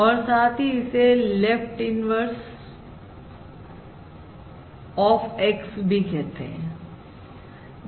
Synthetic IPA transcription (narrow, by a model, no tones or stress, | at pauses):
ɔːɾsaːt̪ʰɦiɪselefʈɪnʋəɾs | ɔːfeksbʱikɛɦt̪eɦɛ̰̃